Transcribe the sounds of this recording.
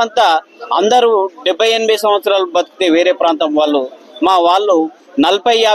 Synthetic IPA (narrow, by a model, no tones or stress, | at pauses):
ɐnt̪aɐnd̪ɐɾuːɖɛbʱːɐjenimijsɐmʋɐt̪sɐɾaːlubɐd̪uku̥t̪eːʋeːɾeːpɾaːnt̪ɐmʋaːɭːumaːʋaːɭːu | nɐlɐpɐjaː